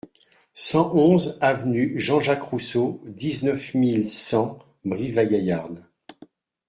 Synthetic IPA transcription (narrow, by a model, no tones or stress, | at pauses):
sɑ̃ʔɔ̃zavnyʒɑ̃ʒakχusod̪iznœfmilsɑ̃ | bʁivaɡajaʁn